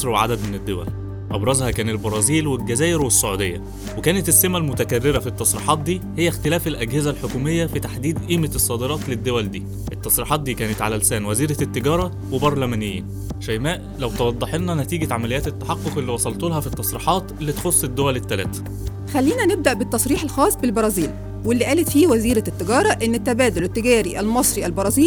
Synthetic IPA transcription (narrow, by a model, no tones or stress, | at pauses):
ɾwʕa̰d̪æd̪mened̪ːowæ̰l | ʔɑbɾˤɑzhækæːnelbɑɾˤɑːziːlwelɡæzæːʔeɾwesːoʕuːd̪ejːæ̰ | wekæːnet̪esːemælmʊt̪ækærːeɾæfit̪ːɑsˤɾḭːħɑːt̪̚d̪iːhejːæxt̪elæːfelʔæɡhezælħokuːmejːæfit̪aħd̪iːd̪ʔiːmesˤːɑːd̪eɾˤɑːt̪led̪ːowæld̪iː | ʔet̪ˤːɑsˤɾiːħɑːt̪̚d̪iːkæːnet̪ʕalælsæːnwæziːɾæt̪ːeɡɑːɾˤɑ | webɑɾˤlæmæːnɪjːḭːn | ʃæjmæːʔlæwt̪ɑwɑd̪ˤːɑħelnænæt̪iːɡæʕamælejæːt̪et̪ːḁħɑqːoqelːiwɑsˤɑlt̪olhɑfit̪ːɑsˤɾiːħɑːt̪ʔelːit̪xosˤːed̪ːowælet̪ːælæ̰ːt̪æ̥ | xælːiːnæneb̚d̪æʔbet̪ːɑsˤɾiːħelxɑːsˤbelbɑɾˤɑːziːl | welːiʔæːlet̪fiːwæziːɾæt̪ːeɡɑːɾˤɑʔenːet̪ːæbæːd̪olet̪ːeɡæːɾiʔælmɑsˤɾiælbɑɾˤɑːziːl